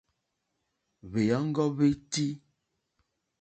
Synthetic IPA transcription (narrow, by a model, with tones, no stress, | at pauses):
βe˨ja˨˦ŋ̩˦ɡɔ˦βe˦ti˦